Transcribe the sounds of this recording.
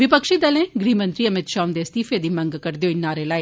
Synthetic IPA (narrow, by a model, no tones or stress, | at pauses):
ʋɪpəkʃiːd̪əlẽːɡɾiːmə̃nt̪ɾiːəmɪt̪ʃaːʊ̃nd̪eːst̪iːfʰeːd̪iːmə̃ŋɡkəɾd̪eoinaːɾeːlaːiː